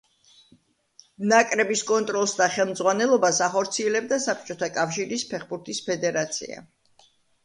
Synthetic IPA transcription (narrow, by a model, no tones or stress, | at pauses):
nakʼɾɛbiskʼɔnt̪ʼɾɔlˠsd̪aχɛlˠmd̪zʁwanɛlˠɔbasaχɔɾt̪sʰiɛlɛb̚d̪asap̚t͡ʃʼɔt̪ʰakʼafʃiɾispʰɛχbuɾt̪ʰispʰɛd̪ɛɾat̪sʰḭa̰